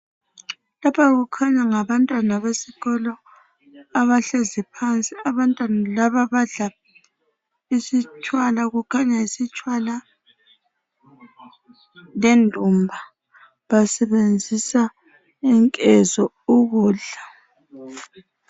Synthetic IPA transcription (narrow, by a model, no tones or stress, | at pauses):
lapʰaɣukʰaɲaŋaβantʼwanaβesiɣɔlɔ | aβaɬezipʰant͡sʼiaβantʼwanalaβaβaɮa | isit͡ʃʼwalaɣukʰaɲaisit͡ʃʼwala | lendʱumbʱa | βasɛβend͡zʱisa | ɛŋkʼɛzɔ | uɣuːɮa